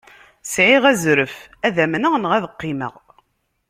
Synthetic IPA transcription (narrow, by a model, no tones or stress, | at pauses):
sʕiʁæzɾəfæðæmnəʁnʁæðəqːimə̰ʁ